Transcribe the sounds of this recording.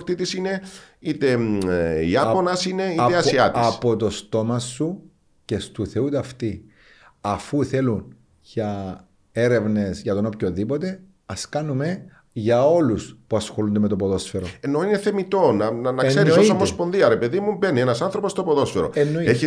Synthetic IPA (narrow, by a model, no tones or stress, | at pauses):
kt̪it̪isine̞it̪e | iɐponɐsine̞ieɐsiɐt̪iɐspo̞t̪o̞st̪o̞mɐsːu | ce̞st̪uθe̞ut̪ɐft̪i | ɐfuθe̞lun | ʝɐ | e̞ɾe̞vne̞sʝɐt̪onopçoðipo̞t̪e̞ | ɐskɐnume̞ | ʝɐo̞luspuɐsxo̞lund̪emet̪opoðo̞sfeɾo̞enoineθe̞mit̪o̞nɐnnɐkseɾisosomospo̞nðiɐɾepe̞ðimubenienɐsɐnθɾopost̪o̞poðo̞sfeɾo̞̰enoei